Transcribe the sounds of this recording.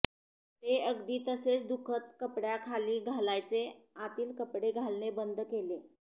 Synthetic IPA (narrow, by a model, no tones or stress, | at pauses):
t̪eəɡd̪iːt̪əset͡sd̪ukʰət̪̚kəpɽjakʰaliːɡʱalajt͡seat̪iːlkəpɽeɡʱalnebənd̪ʱkele